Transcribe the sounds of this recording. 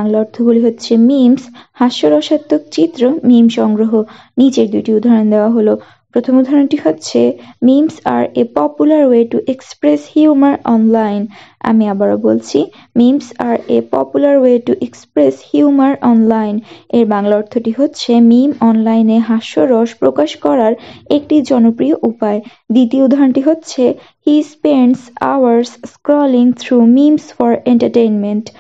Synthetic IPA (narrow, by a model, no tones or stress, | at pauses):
aŋlaɔɾt̪ʰoboliɦotːɕʰemimshaʃoɾɔʃat̪ːok̚t͡ɕit̪ːɾomimʃɔŋɡɾoɦo | nid͡ʑeɾd̪uʈiud̪ʱaɾond̪eoaɦolo | pɾot̪ʰomud̪ʱaɾonʈiɦotːɕʰemimsa̰ɾepɔpulaɾweʈuʔekspɾeshjumaɾɔnlajna̰miabaɾobolt͡ɕʰi | mimsaɾepɔ̰pulaɾweʈuʔekspɾeshjumaɾʔɔnlajneɾbaŋlaɔɾt̪ʰːoʈiɦotːɕʰemimɔnlajneɦaʃoɾɔʃpɾokaʃkɔɾaɾek̚ʈid͡ʑɔnopɾioʔupae | d̪it̪ioud̪ʱːaɾoɳʈiɦotːɕʰe | hispeɳsa̰waɾsskɾɔliŋt̪ʰɾumimsfɔɾeɳʈaɾʈejnmenʈ